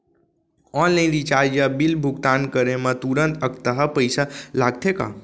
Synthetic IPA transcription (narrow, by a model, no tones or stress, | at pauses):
ɔnlaɪ̃nɾit͡ʃaɾd͡ʒjabilbʱuɡt̪ankəɾemãt̪uɾənt̪əkt̪əɦəpəjsalaɡ̚t̪ʰeka̰